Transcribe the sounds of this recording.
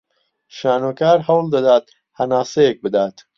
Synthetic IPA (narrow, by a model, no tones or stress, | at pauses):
ʃaːnokaːɾɦɐwld̪ɐd̪aːt̪ | hɐnaːsejek̚bɨd̪aːt̪